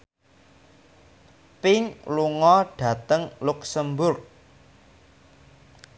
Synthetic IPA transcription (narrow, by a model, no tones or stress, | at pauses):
pɪŋluŋɔɖ̥ä̤t̪əŋluksəmbʊrk̚